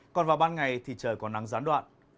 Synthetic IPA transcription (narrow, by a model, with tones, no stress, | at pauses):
kɔ˨˩nvaː˨˩wɓaː˧nŋa˨˩jt̪ʰi˨˩t͡ɕəː˨˩jkɔ˨˦na˨˦ŋzaː˨˦nɗwa̰ː˧˨n